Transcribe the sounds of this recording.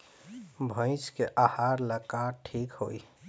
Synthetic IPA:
bʱə̃ɪ̃skeʔahaːɾləkaʈʰiːkhoːi

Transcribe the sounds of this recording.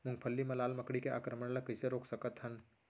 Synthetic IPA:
mʊŋɡ̚pʰəlːimɐlaːlmɐkɽikeʔa̰ːkɾəməɳlɐkəseɾoːksɐkət̪ɦɐn

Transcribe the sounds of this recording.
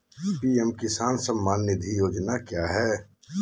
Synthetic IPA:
piɛmkɪsaːnsəmːaːnːɪd̪ʱijoːd͡ʒnakjaːɦɛː

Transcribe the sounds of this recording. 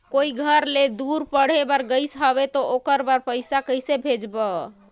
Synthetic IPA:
koiɡʱəɾled̪uɾpəɽ̤ebəɾɡəɪsɦəβet̪ɔʔokəɾbəɾpəjsakəjsebʱed͡ʒbə

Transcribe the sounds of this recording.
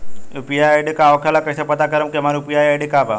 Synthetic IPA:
upijajaɖikaʋkʰalakəɕapət̪akəɾəmkɛmaɾupiajaɽikaʋa

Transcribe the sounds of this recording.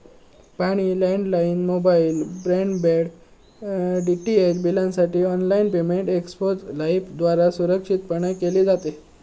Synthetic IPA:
paɽ̃iːlɛɳɖlainmobailbɾeɳɖbeɽ | ɖiʈiet͡ɕbilãnsaʈiːɔnlainpemeɳʈekspod͡zlaifd̪ʋaɾasuɾəkʂit̪̚pəɳ̃əkeliːd͡zat̪e

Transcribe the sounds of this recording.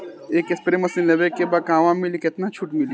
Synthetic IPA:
eːkɪspɾemɐsinlebekebakãːʋãmɪlikɪt̪nat͡ʃʰuʈmɪli

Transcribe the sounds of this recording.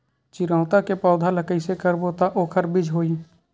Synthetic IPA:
t͡ʃɪɾãːʊt̪akepɔːd̪ʱaləkəisekəɾboːt̪aʔoːkʰəɾbɪd͡ʒʱɦoːi

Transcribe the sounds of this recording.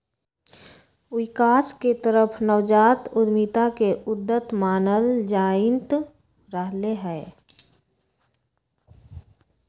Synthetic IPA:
wikaːsket̪əɾəpʰnəʋd͡ʒaːt̪ʊd̪mit̪akeʊd̪ːət̪maːnəld͡ʒaːɪnt̪ | ɾəɦleɦɛː

